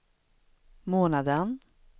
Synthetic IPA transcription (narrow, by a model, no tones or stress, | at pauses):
moːnad̪ən